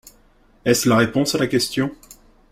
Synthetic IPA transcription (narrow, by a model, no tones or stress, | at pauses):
ɛslaʁepɔ̃salakʲɛst̪jɔ̃